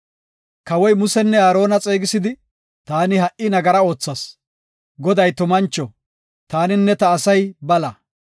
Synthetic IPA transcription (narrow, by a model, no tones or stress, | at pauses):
kɐwɔjmʊsɛnːɛaːɾo̞ːnɐt͡sʼe̞ːɡɪsɪd̪ɪ | t̪aːnɪɦɐʔɪnɐɡɐɾɐo̞ːt͡sːɐs | ɡɔd̪ɐjt̪ʊmɐnt͡ʃːɔ | t̪aːnɪnːɛt̪ɐːsɐjbɐlɐ